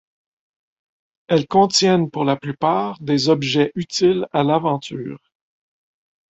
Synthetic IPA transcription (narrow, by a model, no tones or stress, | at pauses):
ɛlkɔ̃t̪jɛnpuʁlaplypaːʁd̪ezɔbʒɛʔyt̪ilalavɑ̃t̪y̰ːʁ